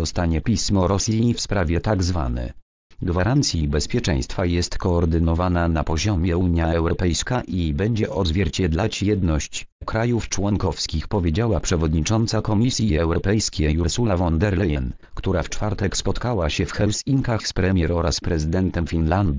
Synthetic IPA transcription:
ɔst̪aɲɛpʲismɔɾɔsʲifspɾavʲjɛt̪aɡzva̰nɛ̰ | ɡvaɾant̪sʲjibɛspʲjɛt͡ʂɛ̰̃j̃st̪fajɛst̪kɔːɾd̪ɘnɔvananapɔʑɔmʲjɛuɲjaɛwɾɔpɛjskaʔibɛɲd͡ʑɛʔɔd̪zvʲjɛɾt͡ɕɛd̪lat͡ɕjɛd̪nɔɕt͡ɕ | kɾajuft͡ʂwɔŋkɔfskʲixpɔvʲjed͡ʑawapʂɛvɔd̪ɲit͡ʂɔnt̪sakɔmʲisʲjiɛwɾɔpɛjskʲɛjuɾsulavɔnd̪ɛɾlɛjɛn | kt̪uɾaft͡ʂfaɾt̪ɛkspɔt̪kawaɕɛfxɛlsiŋkaxspɾɛmʲjɛɾɔɾaspɾɛzɨd̪ɛnt̪ɛmfʲinland̪u

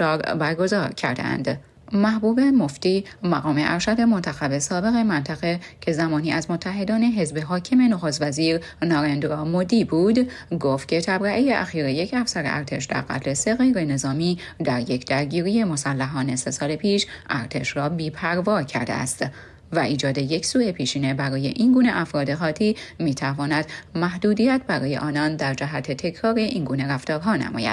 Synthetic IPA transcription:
ɒːɾbæɾɡo̞zɒːɾcʰæ̰ɾd̪ḛæ̰nd̪̥ | mæhbuːbe̞moft̪iːmæɣɒːme̞ʔæɾʃæd̪e̞mont̪ʰæxæbe̞sɒːbe̞ɣe̞mænt̪ʰæɣecʰe̞zæmɒːniːʔæzmo̞t̪ʰːæɦe̞d̪ɒːne̞ɦe̞zbeɦɒːcʰeme̞noxoːst̪væziːɾ | nɒːɾend̪ɾɒːmod̪iːbuːd̪ɡoːft̪̚cʰe̞t̪ʰæbɾæʔejeʔæxiːɾeje̞cʰæfsæɾḛʔæ̰ɾt̪ʰe̞ʃd̪̥æ̰ɾɣæ̰t̪ʰle̞se̞ɣe̞jɾe̞ne̞zɒːmiː | d̪æɾje̞cʰd̪æɾɟiːɾije̞mo̞sælːæɦɒːne̞se̞sɒːlepʰiːʃʔæɾt̪ʰe̞̰ʃɾɒːbiːpʰæɾvɒːcʰæ̰ɾd̪eæ̰st̪ | væʔiːd͡ʒɒːd̪e̞je̞csuːe̞pʰiːʃiːne̞bæɾɒːje̞̰ʔinɡuːne̞ʔæfɾɒːd̪e̞xɒːt̪ʰiːmiːt̪ʰævɒːnæd̪̥mæhd̪uːd̪ijæt̪̚bæɾɒːje̞̰ʔɒːnɒːnd̪æɾd͡ʒæɦæt̪ʰe̞t̪ʰe̞cʰɾɒːɾeʔinɡuːne̞ɾæft̪ɒːɾɦɒːnæ̰mɒ̰ːjæ̰d̪̥

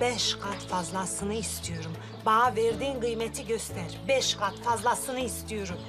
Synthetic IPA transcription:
b̥eʃqʰɑt̪fɑzlˠɑsɨnɯist̪yjuɾum | bɑʁɑveɾd̪iŋqʰɨjmet̪ʰɪɡʲʰøst̪æɾbeʃqʰɑt̪fɑzlˠɑsɨnɯist̪ijuɾum

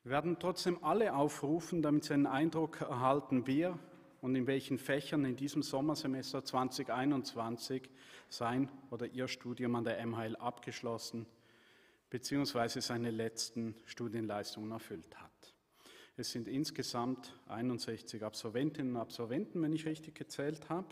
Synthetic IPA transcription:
veːɐdn̩tʁ̥ɔt͡sd̥eːmʔaləʔaʊfʁuːfn̩damɪtz̥iaɪnənʔaɪndʁʊkʰɛɐɦaltn̩veːɐ | ʊndɪnvɛlçn̩fɛçɐnɪndiːzəmzɔmɐzemɛstɐt͡sv̥ant͡sɪçʔaɪnʊnt͡sv̥ant͡sɪçz̥aɪnʔoːdɐʔiːɐʃtuːdjʊmandeːɐʔɛmaɛlʔapɡ̥əʃlɔsn̩ | b̥ət͡siːʊŋsv̥aɪzəzaɪnəlɛt͡stn̩ʃtuːdjənlaɪstʊŋənɛɐfʏlthat | ɛsz̥ɪndɪnsɡ̥əzamtʔa̰ɪnʊntz̥ɛçt͡sɪçapsɔlvɛntɪnənʊndapsɔlvɛntn̩vɛnɪçʁɪçtɪçɡ̥ət͡sɛːlthaːb̥ə

